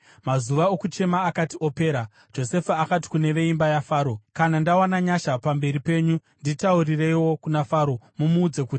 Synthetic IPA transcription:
mazuʋaokut͡ʃe̞maːkatio̞pe̞ːɾa | d͡ʒo̞se̞faakat̬i̥kune̞ʋe̞imbajafaːɾo̞kanandawanaɲaʃapambe̞ɾipe̞ːɲunditauɾire̞jiwo̞kunafaːɾo̞mumuːd͡ze̞kuːti̥

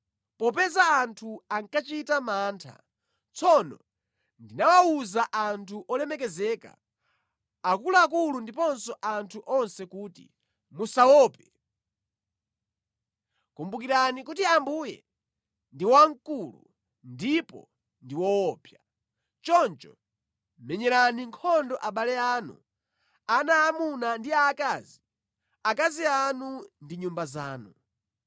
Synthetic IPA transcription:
pɔpɛzaːntʰuaŋkat͡ʃitamaːntʰa̰ | t͡sʰɔnɔ̰ | ndinawauzaʔantʰuʔɔlɛmɛk̬ɛzɛːka̰ | akulaak̬ulundipɔnsɔʔantʰuʔɔnsɛkuːtḭ | musawɔːpɛ | kumbukiɾanikutiambuːjɛ̰ | ndiwaŋkulṵ | ndipɔ̰ | ndiwɔwɔːpja | t͡ʃɔnt͡ʃɔ | mɛɲɛɾaniŋkʰɔndɔʔaɓalɛaːnṵ | anaːmunandiaːkaːzi | akazianundiɲumbaza̰ːnu

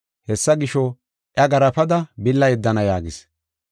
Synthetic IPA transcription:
hɛsːɐɡɪʃɔ | ʔɐɡɐɾɐpɐd̪ɐbɪlːɐjɛd̪ːɐnɐjaːɡɪs

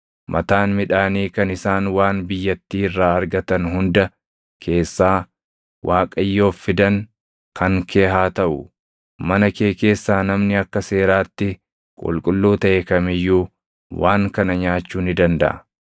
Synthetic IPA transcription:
mʔɐt̪aːnmɪᶑaːniːkɐnɪsaːnwaːnbɪjːɐt̪ːiːɪrːaːɐɾɡɐt̪ɐnɦʊnd̪ɐ | kʰe̞ːsːaː | wʔaːkʼɐjːoːfːɪd̪ɐŋ | kɐŋkʰe̞ːɦaːt̪ɐʔʊ | mɐnɐke̞ːke̞ːsːaːnɐmnɪɐkːɐse̞ːɾaːt̪ːɪ | kʼʊ̰lkʼʊlːuːt̪ɐʔekɐmɪjːuː | waːŋkɐnɐɲaːt͡ʃːuːnɪd̪ɐnd̪ɐ̰ʔɐ̰

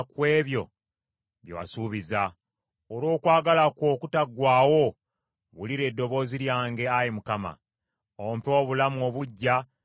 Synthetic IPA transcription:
kwe̞ːβjo̞̰ | βjo̰wa̰suːβiza | oɾo̞ːkwaːɡalako̞ːkutaɡwaːwo̞ | βuliɾe̞ːdːo̞βo̞ːziɾjaːŋɡe̞ajimukama̰ | ompo̞ːβulamuo̞βuɟːa

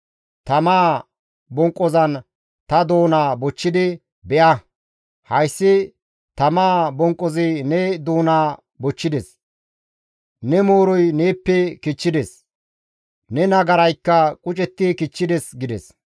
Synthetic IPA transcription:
t̪ɐmaː | bɔŋkʼːɔzɐn | t̪ɐd̪oːnaːbɔt͡ʃːɪd̪ɪ | bɛʔɐ | hɐjsːɪ | t̪ɐmaːbɔŋkʼːɔzɪnɛd̪oːnaː | bɔt͡ʃːɪd̪ɛs | nɛmoːɾɔjneːpːɛkɪt͡ʃːɪd̪ɛs | nɛnɐɡɐɾɐjkːɐkʼʊt͡ʃʼɛt̪ːɪkɪt͡ʃːɪd̪ɛsɡɪd̪ɛs

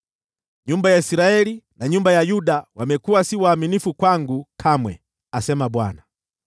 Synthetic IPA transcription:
ɲumbajaisiɾaɛlinaɲumbajajuɗawamɛkuwasiwaːminifukwaŋɡukʰamwɛ̰ | asɛmaɓwana

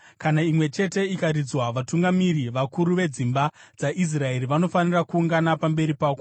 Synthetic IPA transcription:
kanaimwe̞t͡ʃe̞te̞ikarid͡zwaʋatuŋɡamiɾiʋakuɾuʋe̞d͡zimbad͡zaʔis̬rae̞riʋano̞fanirakuːŋɡanapambe̞ɾipaːko

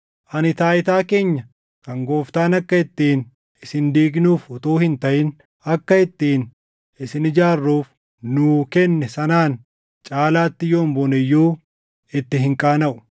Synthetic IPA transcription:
ʔɐnɪt̪aːʔɪt̪aːke̞ːɲːɐ | kɐŋɡo̞ːft̪aːnɐkːɐɪt̪ːiːn | ɪsɪnd̪iːɡnuːfʊt̪oːhɪnt̪ɐʔɪn | ɐkːɐɪt̪ːiːn | ɪsɪnɪd͡ʒaːrːuːf | nʊːkɛnːɛsɐnaːn | t͡ʃʼaːlaːt̪ːɪjoːmboːnɛjːuː | ɪt̪ːɪɦɪŋkʼaːnɐʔʊ̥

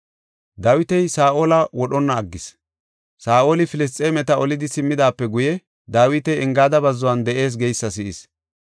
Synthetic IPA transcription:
d̪aːwɪt̪ɛjsaːʔoːlɐwɔɗɔnːɐːɡːɪs | saːʔo̞ːlɪfɪlɪs̬t̪ʼeːmɛt̪ɐɔlɪd̪ɪsɪmːɪd̪aːpːɛɡʊjɛ | d̪aːwɪt̪ɛjɛŋɡaːd̪ɐbɐzːɔwɐnd̪ɛʔe̞ːs̬ɡɛjsːɐsɪʔɪs

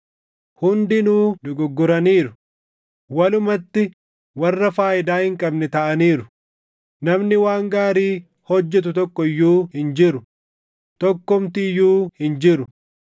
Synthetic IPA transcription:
hʊnd̪ɪnuːd̪ʊɡʊɡːʊɾɐniːɾʊ | wɐlʊmɐt̪ːɪ | wɐrːɐfaːʔɪd̪aːhɪŋkʼɐbnɛt̪ɐʔɐniːɾʊ | nɐmnɪwaːŋɡaːɾiː | hɔd͡ʒːɛt̪̬ʊt̪ɔkːɔjːuːhɪnd͡ʒɪɾʊ | t̪ɔkːɔmt̪ɪjuːhɪnd͡ʒɪɾʊ

